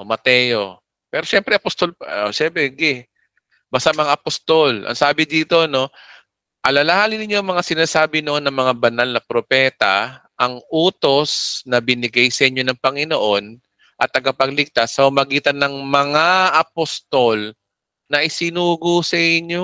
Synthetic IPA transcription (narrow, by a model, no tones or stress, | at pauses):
ʔomɐt̪ɛjo̞ | pɛːɾo̞ʃɛmpɾɛʔɐpost̪oloʃɛmpɾɛɡɛ | bast̪amɐŋaʔɐpost̪olʔɐ̰ŋsaːbɪd̪iːt̪o̞ɐno̞ | ʔɐlɐlɐhaːlɪnɪɲːoɐŋmɐŋasɪnaːsaːbɪnoʔonːɐŋmɐŋabɐnalnɐpɾopɛːt̪ɐʔɐŋuːt̪o̞snɐbɪnɪɡajsɐʔɪɲːo̞nɐŋpɐŋɪno̞ʔo̞n | ʔɐt̪ːɐɡapɐɡlɪk̚t̪asːɐhʊmɐɡiːt̪ɐnːɐŋmɐŋaʔɐpost̪ol | nɐʔɪsɪnuːɡosɐʔɪɲo